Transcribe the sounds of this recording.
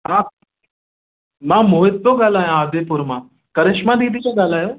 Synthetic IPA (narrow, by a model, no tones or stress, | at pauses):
ɦã | mãːmoːɦɪt̪̚ːoɡaːlaːjãaːd̪eːpʊɾmã | kɐɾɪʃmãd̪iːd̪ik̪ãɡaːl̤aːjoː